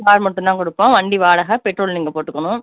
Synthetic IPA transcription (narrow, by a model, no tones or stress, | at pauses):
kaːɾmɐʈːʊ̃nd̪ãːŋkɔɽɯpːõːʋɐɳɖiʋaːɽɐɣɐpɛʈɾoːlniːŋɡɐpoːʈːɯkːɐɳʊ̃